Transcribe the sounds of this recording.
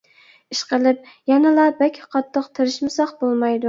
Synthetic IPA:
ɪʃqəlˠɪp̚ | jɛnɛlˠɑbækʲʰqʰɑt̪ʰːɨqt̪ʰɪɾɪʃmɪsɑqbolˠmɑjd̪ʊ

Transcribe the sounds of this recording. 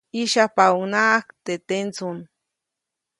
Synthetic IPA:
iʃapauŋnakt̪et̪ent͡sun

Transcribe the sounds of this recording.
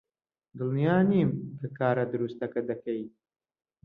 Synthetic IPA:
d̪ɨlnijaːnimbɐkaːɾad̪ɨɾust̪ɐkɐd̪ɐkɐj

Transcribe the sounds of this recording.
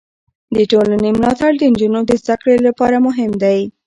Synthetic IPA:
d̪əʈolanemlɑt̪aɽd̪əɪnd͡ʒunod̪əzd̪akɽelapɑɾamʊɦɪmd̪aj

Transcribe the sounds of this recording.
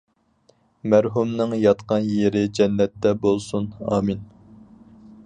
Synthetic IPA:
mæɾɦumnɨŋjɑt̪qɑnjeɾɪd͡ʒɛnːɛt̪ːɛbolˠsunɑ̰ːmin

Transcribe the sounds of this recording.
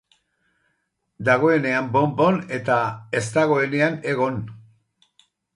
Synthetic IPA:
d̪aɣ̞o̞e̞ne̞ambo̞mbo̞ne̞t̪ae̞st̪aɣ̞o̞ene̞ane̞ɣ̞o̞n

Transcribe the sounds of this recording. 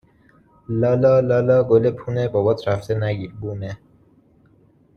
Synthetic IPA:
lɒːlɒːlɒːlɒːɡolepʰunebɒːbɒːt̪ʰɾæft̪enæɟiːdbuːne

